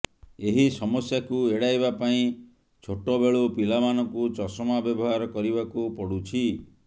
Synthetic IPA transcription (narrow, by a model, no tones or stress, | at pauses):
eɦisɔmɔsjakueɽajbapaĩ | t͡ʃʰoʈɔbeɭopilamanɔkut͡ʃɔsɔmabjɔbɔɦaɾɔkɔɾibakupɔɽut͡ʃʰi